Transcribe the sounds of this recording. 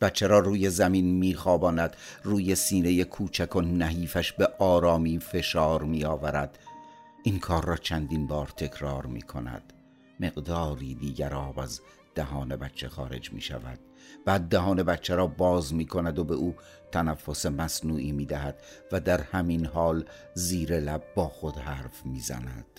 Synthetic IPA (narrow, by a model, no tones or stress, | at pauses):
b̥æt̪t͡ʃʰːeɾɒːɾuːje̞zæminmiːxɒːbɒːnæd̪̥ruːje̞siːne̞je̞kʰuːt͡ʃʰækʰonæɦiːfæʃbe̞ʔɒːɾɒːmiːfe̞ʃɒːɾmiːɒːvæɾæd̪̥ | ʔiŋkʰɒːɾːɒːt͡ʃʰænd̪inbɒːɾt̪ʰe̞kʰɾɒːɾmḭːkʰo̞̰næ̰d̪̥ | me̞ɣd̪ɒːɾiːd̪iːɟæɾɒːbæ̰z | d̪̥æɦɒːne̞bæt̪t͡ʃʰːexɒ̰ːɾe̞̰d͡ʒmḭːʃæ̰væ̰d̪̥ | b̥æːd̪ːæɦɒːne̞bæt̪t͡ʃʰːeɾɒːbɒːzmiːkʰo̞næd̪o̞be̞ʔuː | t̪ʰænæfːo̞se̞mæsnuːʔiːmiːd̪æɦæd̪̥ | væd̪æɾhæminɦɒːl | ziːɾe̞læb̚ːɒːxod̪hæːɾfmiːzæ̰næ̰d̪̥